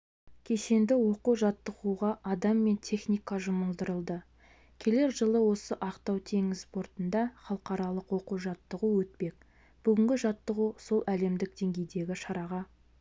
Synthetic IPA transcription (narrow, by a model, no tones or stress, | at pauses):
kʲʰe̞ʃe̞nd̪ɪwo̞quʒɑt̪ːəʁuʁɑʔɑd̪ɑmːe̞nt̪ʲʰe̞χnijkɑʒʊməlˠd̪əɾəlˠd̪ə | kʲʰe̞le̞ɾʒəlˠəwo̞səʔɑqt̪ɑwt̪ʰe̞ŋɪzspo̞ɾt̪ənd̪ɑχɑlˠəqɑɾɑlˠəqwo̞quʒɑt̪ːəʁuwɵt̪̚pe̞k | b̥ʏɡʲɪŋɡʲɪʒɑt̪ːəʁuso̞lˠʔæle̞md̪ɪk̚d̪̥e̞ŋɡʲe̞jd̪e̞ɡʲɪʃɑɾɑʁɑ